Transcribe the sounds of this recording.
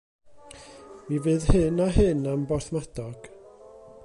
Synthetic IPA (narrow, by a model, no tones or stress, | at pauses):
mivɨːðhɨnaɦɨnambɔrθmadɔɡ̥